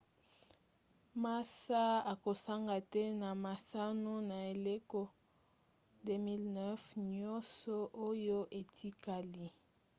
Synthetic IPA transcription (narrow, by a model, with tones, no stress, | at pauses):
ma˦sa˦a˨ko˨sa˦ŋɡa˨tɛ˦na˨ma˨sa˦no˦na˨e˨le˦ko˦ | de˦mi˦lnɛ˦fɲɔ˦sɔ˦ʔo˦jo˦ʔe˨tʰi˦ka˨li˦